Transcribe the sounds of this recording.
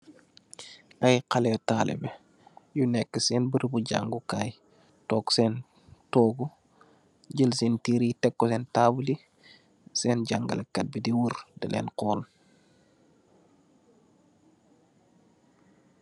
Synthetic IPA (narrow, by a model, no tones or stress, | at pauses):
ʔɐjqɐlɛtaːlʔɛ̰bɛ | junɛkːəsɛːnbəɾbuɟa̰ŋɡukaj | tɔːksɛːn | tɔːɡu | ɟəlsɛntiːɾitɛkːɔsɛːntabuli | sɛːnɟaŋɡɐ̰lɛkːɐt̚bidiwuɾdəlʔɛ̰ːnqɔːl